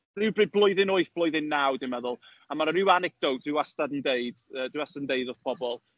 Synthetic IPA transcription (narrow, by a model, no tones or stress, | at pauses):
rɪwbrɨblˠʊɨðɪnoɨθb̥lˠɔɨðɪnːawdɪmɛðʊlˠ | amaɾəɾɪwanɛk̚d̥owtd̥ɪwastadən̩deɨd̥ədɪwastadndeɨðɔðpʰɔbɔlˠ